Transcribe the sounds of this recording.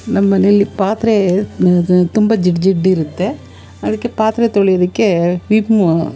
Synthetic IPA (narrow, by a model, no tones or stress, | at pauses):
nɐmːɐnɛɭlːipaːt̪ɾe | t̪ʊmbɐd͡ʒɪʈd͡ʒɪʈːɪɾɯt̪ːe | ɐðɯkːɯpaːt̪ɾet̪ːɔɭɪjɐðɯkːɯʋiːpmo